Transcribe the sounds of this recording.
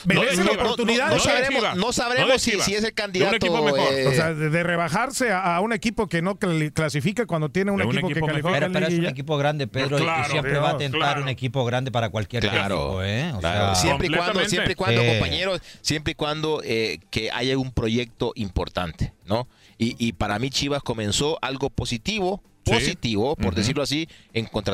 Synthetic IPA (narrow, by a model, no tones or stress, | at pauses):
beɾeselaopoot̪uniðaðnosaɾenosaβɾeoisieselkand̪iðanekt̪ioomeoɾos̬eaðeðere̞βaxaɾse̞aaune̞kipo̞ke̞no̞kklasifikakwand̪ot̪̬je̞neunnekikpokekasifikeɾoenliɾeisunek̬ipoɣɾand̪e̞peðɾoisjempɾeβaːt̪enaɾɾunekipo̞ɣɾand̪e̞paɾakwalkjeɾɾḭpoeoseasjepɾeiwand̪oepɾeikwand̪oopaɲeɾossjempɾeikwand̪oʔekea̰ʝaumpɾo̞ʝek̚t̪o̞ʔimpoɾt̪a̰nt̪e̥no | iʔːpaɾamit͡ʃiβasko̞mẽ̞nsoʔalɡo̞posit̪iβo | posit̪iβopoɾd̪es̬iɾloas̬ieŋkont̪ɾ